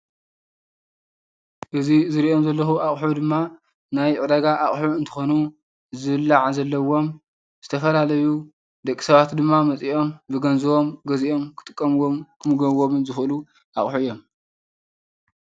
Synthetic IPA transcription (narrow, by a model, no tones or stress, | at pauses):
ʔɨzizɨɾiʔo̞mzɐlːɐxuʔaχʼħud̪ɨmːa | najʕɨd̪ɐɡaʔaχʼħuɨnt̪ʰɨ̥xo̞nu | zɨβɨlːaʕzɐlːɐwo̞m | zɨt̪ʰɐfɐlalɐju | d̪ɐkʼːi̥sɐβat̪d̪ɨmːamɐt͡sʼiʔo̞mbɨɡɐnzɨwo̞mɡɐziʔo̞mkʰɨt̪ʼɨkʼːɐmwomkʰɨmɨɡɐβomnzɨxɨlu | ʔaχʼħuɨjːo̞m